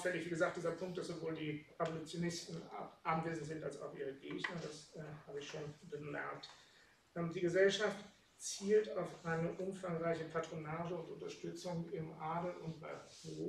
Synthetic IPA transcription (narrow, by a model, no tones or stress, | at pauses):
fɛlɪçv̥iːɡəzaːk̚d̥iːzɐpʰʊŋkt̚d̥asz̥ovoːldiːʁɛvolut͡sjonɪstn̩ʔanveːzn̩tz̥ɪntalsa̰ʊfʔiːʁ̞əɡeːçnɐdashaːbəɪçʃoːnbəmɛ̰ɐk̚t | ʔdiːɡəzɛlʃaft | t͡siːltaʊfʔaɪnəʔʊmfaŋʁaɪçəpʰatʁ̥onaːʒəʊntʊntɐʃtʏt͡sʊŋɪmʔaːdl̩ʊ̰ntb̥a̰ɪʁo